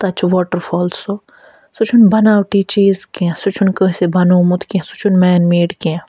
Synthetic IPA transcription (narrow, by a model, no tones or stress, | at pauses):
t̪ɐt͡ʃʰʋɔːʈəɾfʰɔːlso | sut͡ʃʰunbɐnaːwʈit͡ʃiːzkiãsut͡ʃʰunkəɦsebɐnoːmut̪kiɛ̃sut͡ʃʰunmɛːnmeːɖkiã